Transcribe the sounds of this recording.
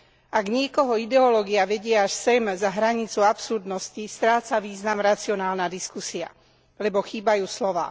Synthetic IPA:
ʔaɡɲɪɛkɔɦɔid̪ɛɔlɔːɡiaʋɛɟɪaaʃsɛmzaɦɾaɲit͡suapsuɾd̪nɔscist̪ɾaːt͡saʋiːznamɾat͡siɔnaːlnad̪iskusia̰ | lɛbɔxiːbajuːslɔʋa̰ː

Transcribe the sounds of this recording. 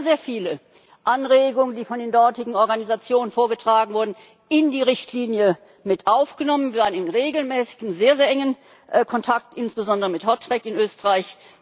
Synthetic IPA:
zeːɐfiːlə | ʔanʁeːɡʊŋəndiːfɔndeːndɔɐtɪɡŋ̩ɔɐɡanizat͡sjoːnənfoːɐɡətʁ̥aːɡŋ̩vʊɐdn̩ | ʔɪndiːʁ̞ɪçtʰliːnjə | mɪtʔaʊfɡ̥ənɔmənvvaːʁənɪnʁeːɡl̩mɛːsɪ̥n̩zeːɐzeːɐʔɛŋən | ʔkʰɔntʰak̚tʔɪnsb̥əzɔndəʁəmɪthɔtʁ̥ɛkɪnʔøːstəʁaɪç

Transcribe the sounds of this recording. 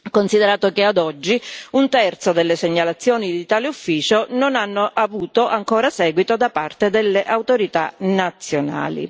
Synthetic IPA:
konsid̪eɾaːt̪okead̪ɔd͡ʒːiunt̪ɛrt̪sod̪elːeseɲːalat̪sːjɔːnid̪it̪aːleufːiːt͡ʃononanːoʔavuːt̪oʔaŋkoːɾasɛːɡwit̪od̪apart̪ed̪elːeʔawt̪oɾit̪a̰nat̪sːjona̰ːlḭ

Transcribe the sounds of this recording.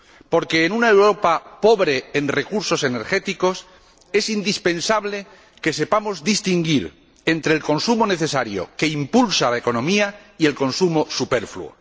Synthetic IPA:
po̞ɾke̞ːnunaewɾo̞papo̞βɾe̞ːnre̞kuɾso̞se̞ne̞ɾxe̞t̪iko̞s | e̞sind̪ispẽ̞nsaβle̞ | ke̞se̞pamo̞zd̪ist̪iŋɡiɾ | e̞nt̪ɾeːlko̞nsumo̞ne̞θe̞saɾjo̞̰ke̞impulsalaeko̞nõ̞miaie̞lko̞nsumo̞supe̞ɾflṵo̰

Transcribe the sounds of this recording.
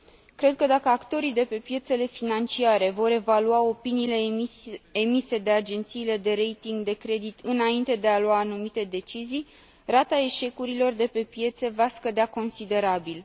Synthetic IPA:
kɾe̞d̪̚kəd̪akəakt̪o̞ɾid̪e̞pe̞pje̞t̪se̞le̞finant͡ʃiaɾe̞vo̞ɾe̞valuao̞piniːle̞ | emise̞d̪e̞ad͡ʒe̞nt̪siːle̞d̪e̞ɾe̞jt̪iŋɡd̪e̞kɾe̞d̪it̪ɨnaint̪e̞d̪e̞aluaːnumit̪e̞d̪e̞t͡ʃizij | rat̪ae̞ʃe̞kuɾilo̞rd̪e̞pe̞pje̞t̪se̞vaskəd̪eako̞nsid̪e̞ɾabil

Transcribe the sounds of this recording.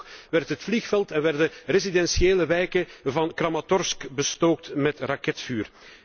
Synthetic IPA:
ʋɛrtɦətflixfɛlˠtɛnʋɛrdərezidɛnsjeːləʋɛjkəvɑnkrɑmatɔrskbəstoːk̚tmɛtrɑkɛtfyːr

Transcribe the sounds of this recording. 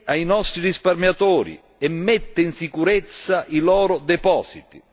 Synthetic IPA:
ainɔst̪ɾirisparmjat̪oːɾḭ | ɛmːɛt̪ːeinsikuɾɛt̪sːaʔilɔːɾʊd̪ɛpɔːsit̪i

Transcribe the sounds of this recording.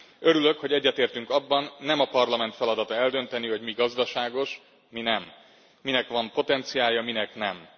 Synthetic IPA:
øɾylø̞kho̞ɟɛɟːɛt̪eːrt̪yŋkɒbːɒnːɛmɒpɒrlɒmɛnt̪fɛlɒd̪ɒt̪ɒɛld̪ø̞nt̪ɛniho̞ɟmiɡɒzd̪ɒʃaːɡo̞ʃ | minɛmː | inɛkʋɒmpo̞t̪ɛnt̪sijaːjɒminɛknɛm

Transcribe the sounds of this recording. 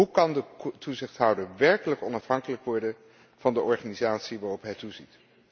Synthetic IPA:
ɦukɑndətuzɪχtɦʌwdəɹʋɛɹkələkɔnɑfɦɑŋkələkʋɔɹdən | v̥ɑndəʔɔɹχaːnizaːtsiʋaːrɔpɦɛjtuzit

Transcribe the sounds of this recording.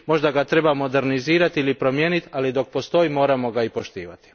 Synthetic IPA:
mo̞ʒd̪aɡat̪ɾe̞bamo̞d̪e̞ɾniziːɾat̪ilipɾo̞mjenit̪alid̪o̞k̚po̞st̪o̞imo̞ːɾamo̞ɡaipo̞ʃt̪iːʋa̰t̪i̥

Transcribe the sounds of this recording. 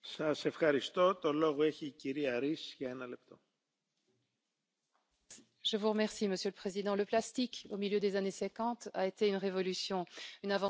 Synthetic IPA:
sɐse̞fxɐɾist̪ot̪oloɣoeçiːciɾiɐɾisjɐenɐlep̚t̪o | ʒ̥əvuʁəmɛʁsiməsjøləpχezid̪ɑ̃ləplast̪ikomiljød̪ezanesɛkɑ̃t̪a̰et̪eynʁevɔlysjɔ̃ynavɑ̃

